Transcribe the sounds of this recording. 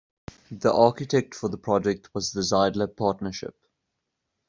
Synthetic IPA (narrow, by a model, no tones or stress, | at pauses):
ðiʔɑˑkɪtʰɛk̚tfəðəpʰɹ̥ɔd͡ʒɛk̚tʰwɔzðəzaɪdˡləpʰɑˑtnəʃɪ̰p̚